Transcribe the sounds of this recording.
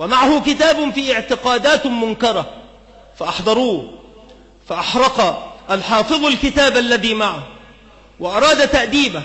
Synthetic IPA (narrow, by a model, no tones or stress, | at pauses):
wamaʕahʊkɪt̪aːbʊfiːɪʕt̪ɪqɑːd̪aːt̪mʊnkɑɾˤɑ | faʔɑħd̪ˤɑɾˤuː | faʔɑħɾˤɑqɑʔalħɑːfɨðˤalkɪt̪aːbʔalːaðiːmaʕah | wɪʔɑɾˤɑːd̪at̪aʔd̪iːba